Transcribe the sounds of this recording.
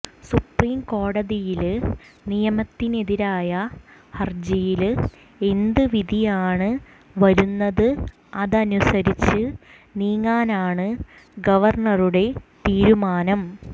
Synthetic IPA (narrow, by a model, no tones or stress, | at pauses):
supriːmko̞ːɽɐðijilnijɐmɐt̪ːine̞ðiɾaːjɐ | hɐrd͡ʑijil | e̞nd̪ɨʋiðʱijaːɳɨ | ʋɐɾunːɐðɨ | ɐðɐnusɐɾit͡ɕːɨ | niːŋːaːnaːɳɨ | ɡɐʋɐrɳɐruɽe̞t̪iːɾumaːnɐm